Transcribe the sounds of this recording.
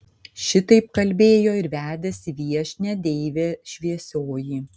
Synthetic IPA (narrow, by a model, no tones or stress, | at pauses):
ʃʲɪt̪ɐɪpkɐlʲbʲeːjoːɪɾʋʲæːd̪ʲɛsʲɪʋʲiɛʃʲnʲɛd̪ʲɛɪʋʲeːʃʲʋʲiɛsʲoːjiː